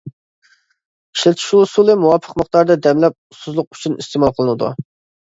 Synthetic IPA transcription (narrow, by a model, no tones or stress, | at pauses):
iʃlɛt̪ʰi̥ʃulˠusulˠɨmuwɑpʰəqməχt̪ɑɾd̪ɑd̪ɛmlɛp̚ust̪uzlˠʊq̚y̥t͡ʃʰynist̪eːmɑlˠqʰəlˠɨnɨd̪ṵ